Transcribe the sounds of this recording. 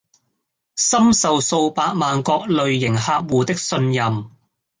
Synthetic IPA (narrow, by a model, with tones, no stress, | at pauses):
sɐ˥msɐ˨wso˧wpaː˧k̚maː˨nkɔː˧k̚lɵ˨ɥjɪ˨˩ŋhaː˧k̚wuː˨t̪ɪ˥k̚sɵ˧njɐ˨m